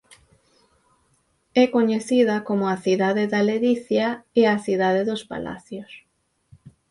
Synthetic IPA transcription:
ɛkoɲeθiðɐkomʊaθiðaðɪðaleðiθjaeaθiðaðeðospa̰la̰θjos

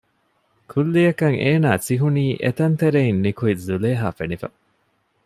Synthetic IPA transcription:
kʰulːijɐkɐŋeːnaːsiɦuniːʔet̪ɐnt̪eɾeinnikuizuleːɦaːfenifɐ̰

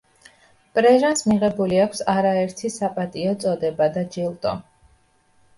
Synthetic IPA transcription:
pʼɾɛʒansmiʁɛbuliakʷʰsaɾaɛɾt̪ʰisapʼat̪ʼiɔt̪sʼɔd̪ɛbad̪ad͡ʒilˠt̪ʼɔ̰

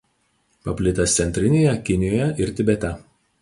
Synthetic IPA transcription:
pɐpʲlʲɪt̪ʲɐst̪sʲɛnʲt̪ʲɾʲɪnʲeːjɛkʲɪnʲɪjoːjɛʔɪɾt̪ʲɪbʲɛt̪ʲɛ

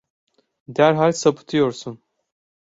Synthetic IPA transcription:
d̪æɾɦalʲsapʰɯ̥t̪ʰɯjoɾsun

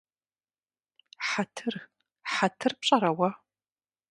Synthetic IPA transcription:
ħatʰɨr | ħatʰɨrp̚ɕʼɐɾɐwɐ

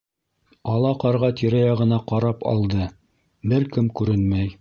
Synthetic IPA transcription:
ɑlˠɑqɑɾʁɑt̪iɾæjɑʁɤ̆nɑqɑɾɑpɑ̰lˠd̪ɤ | bɘɾkɘmkʉɾɘnmæj

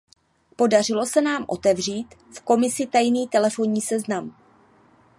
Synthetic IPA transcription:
po̞darɪlo̞sɛnaːmʔo̞t̪ɛvr̝iːt̪ | fko̞mɪsɪt̪ajniːt̪ɛlɛfo̞nɲiːsɛznam

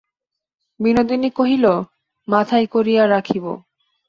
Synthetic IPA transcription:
binod̪inikoɦilo | mat̪ʰajkoɾijaɾakʰibo̰

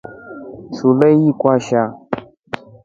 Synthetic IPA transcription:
suləjikʷaʃa

